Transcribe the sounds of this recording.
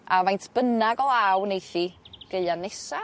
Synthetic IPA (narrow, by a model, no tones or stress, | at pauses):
amajntʰb̥ənaɡɔlˠawnejθiɡ̥eɨanɛsa